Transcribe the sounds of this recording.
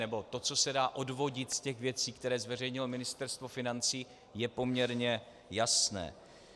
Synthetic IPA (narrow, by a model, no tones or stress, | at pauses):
nɛbo̞t̪o̞t͡so̞sɛdaːʔo̞dvo̞ɟɪt̪scɛxvjɛt͡siːkt̪ɛɾɛːzvɛr̝ɛjɲɪlomɪnɪst̪ɛɾst̪vo̞fɪnant͡siː | jɛpo̞mɲɛɾɲɛ | jasnɛ̰ː